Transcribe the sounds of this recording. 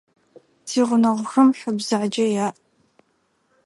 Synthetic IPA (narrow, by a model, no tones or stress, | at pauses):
sʰiːʁʷʊnɐʁʷʊxɐmħəbzaʕd͡ʒɐjaːʔ